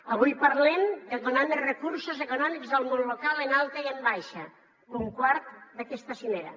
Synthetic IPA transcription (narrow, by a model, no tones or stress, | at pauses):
əβ̞ujpɐɾlɛmd̪əkonɔnrəkuɾsozekunɔmikzðəlˠmonlokalˠenalˠt̪əiəmbajʃə | uŋkwaɾt̪d̪əkɛst̪əsimeɾɐ̰